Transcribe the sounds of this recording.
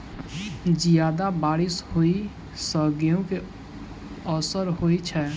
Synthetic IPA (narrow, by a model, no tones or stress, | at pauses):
d͡ʒijaːd̪abaːɾɪshoi | səɡijõke | ɔsəɾɦoit͡ʃʰɛ